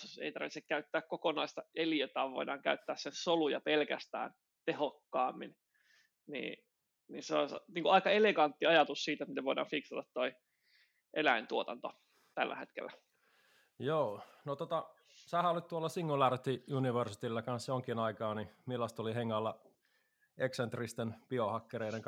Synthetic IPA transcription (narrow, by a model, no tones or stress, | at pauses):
ḛit̪ɑrʋit̪sekkæyt̪ːæːkkokonɑist̪ɑeliet̪ɑːʋʋo̰idɑːŋkæyt̪ːæːssensolujɑpelkæ̰st̪æ̰ːn | t̪ehokːɑːmːḭn | nḭː | nḭseo̰sniːŋkuɑikɑeleɡɑnt̪ːiɑjɑt̪ussiːt̪æt̪mit̪eʋoidɑ̰ːɱfiksɑt̪ɑt̪t̪ːoi | ʔelæint̪uot̪ɑnt̪o | t̪ælːæ̰het̪kḛlːæ | joːnot̪ot̪ɑ | sæhæolit̪t̪uolːɑsiŋːulɑrt̪iuniʋersi̥t̪ilːɑkɑnsjoŋkinɑikɑːnimilːɑst̪oliheŋːɑlːɑ | eksent̪rist̪enpiohɑkːeɾeiɾeŋ